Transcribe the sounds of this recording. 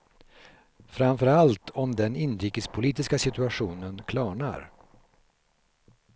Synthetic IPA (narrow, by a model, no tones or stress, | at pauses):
fɾamfœɾalt̪ʰɔmd̪ɛnɪnɾiːkəspʰʊliːt̪ɪskasɪt̪ɵaɧuːnənkʰlɑːɳa̰ɾ